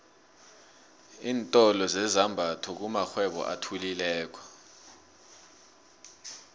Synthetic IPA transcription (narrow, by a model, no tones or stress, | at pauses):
iːntʼɔlɔzɛzambʱatʰɔk̬umaxwɛɓɔ̰ʔa̰tʰulilɛːk̬wḁ